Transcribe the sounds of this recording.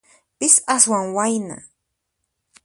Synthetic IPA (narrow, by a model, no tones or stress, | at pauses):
pɪsaswaŋwajna̰